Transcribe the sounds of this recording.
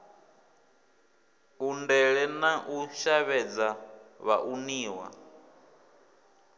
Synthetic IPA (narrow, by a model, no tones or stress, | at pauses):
undɛɺɛnaʔuʃaβɛd͡zaβa̰ʔuniːwa̰